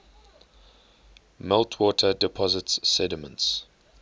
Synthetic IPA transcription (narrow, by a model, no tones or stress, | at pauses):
mɪltʰwɔːtʰədɪpʰɔzɪtsɛdɪmə̃nts